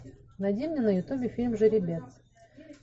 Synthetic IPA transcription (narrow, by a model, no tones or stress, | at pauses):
nɐdʲimnʲenəjʊt̪ubʲɪfʲilʲmʐɨɾʲɪbʲet̪